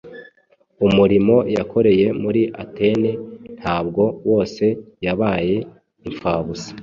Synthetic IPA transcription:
umuɾimo̞jakʰo̞ɾe̞je̞muɾiʔate̞nen̥haːbɡo̞wo̞ːse̞jaβaːje̞ | iɱfaːβusi̥

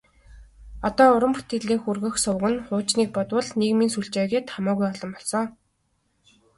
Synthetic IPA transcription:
ɔt̪ɔːʊɾə̆mpu̥t̪ĕɮeːxurɣɘ̆xsʊwɣɘ̆nχʊːt͡ɕniːk̚pɔt̪wə̆ɮnekminsuɮt͡ɕeːɣeːt̪χamʊːɣujɔɮɞ̆mpɔɮsɔː

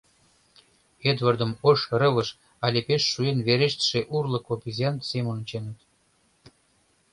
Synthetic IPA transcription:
ed̪vərd̪əmoʃrə̆βəʃ | ɑlʲepeʃːuenβeɾeʃt̪ə̥ʃeʔurlə̆kopʲizʲiɑnt̪semə̆nət͡ɕenət̪

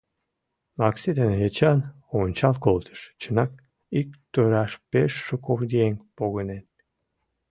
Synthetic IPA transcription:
mɑksid̪enet͡ɕɑn | onʲt͡ɕɑlˠkolˠt̪ʰə̥ʃt͡ɕʰənɑk̚ | ik̚t̪øɾɑʃpeʃːəkʰofd̪ieŋpoɣənen

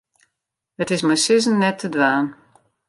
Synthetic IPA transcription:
ətɪsməjsɪzən̩ːɛtʰːədʋaːn

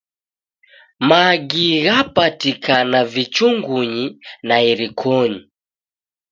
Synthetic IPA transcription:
maɡiɣapatikʰanavit͡ʃuŋɡuɲinaiɾikʰɔɲi

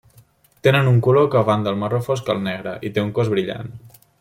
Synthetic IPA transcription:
t̪enənuŋkulokəβand̪əlˠmərofoskəlˠnɛɣɾəʔit̪euŋkozβɾiʎa̰n

